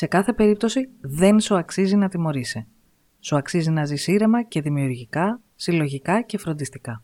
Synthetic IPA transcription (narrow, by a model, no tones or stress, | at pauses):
se̞kɐθe̞pe̞ɾip̚t̪o̞siðe̞nsuɐksizinɐt̪imo̞ɾise | suɐksizinɐzisiɾe̞mɐce̞ðimiuɾʝikɐ | silo̞ʝikɐce̞fɾo̞nd̪ist̪ikɐ